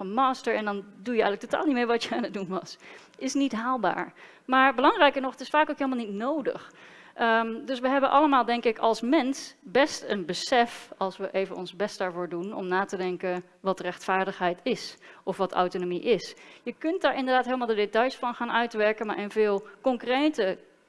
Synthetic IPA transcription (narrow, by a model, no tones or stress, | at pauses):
əmɑːstəɹɛndɑndujəɛ̰jɣələktota̰ːlˠnimeːɹʋɑtəaːnədunʋɑs | ɪsnitɦaːlˠba̰ːɹ | maːɹbəlɑŋrɛjkəɹnɔχətɪsfaːkowkɦejlmalˠnitnowdə̰χ | ʔəmdɵsʋəɦɛbənʔɑləmaːlˠdɛŋkɪkɑ̰lˠsmɛnsbɛstənbəsɛfɑlˠsʋəʔejvənɔnzbɛstdaːɹvʊːɹdunɔ̰mnaːtədɛŋkən | ʋɑtrɛχtfaːɹdəχɦɛjtɪsɔfʋɑta̰wtonomiʔɪsjəkɵnt̚daːɹɪndəɹdaːtɦeɪjləmalˠdədetɑjsfɑnχaːnœɥtʋɛɹkənmaːɹʔɪnvɪːlˠkɔŋkrejtə